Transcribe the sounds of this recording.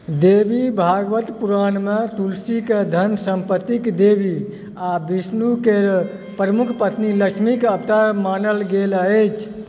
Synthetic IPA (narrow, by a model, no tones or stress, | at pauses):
d̪ebibʱaɡʋət̪puɾanmet̪ulsiked̪ʱənsəmpət̪ːikd̪ebi | abisnukeɾ | pɾəmukʰpət̪niləkʃʰmikəpt̪aɾmanəlɡelət͡ʃʰ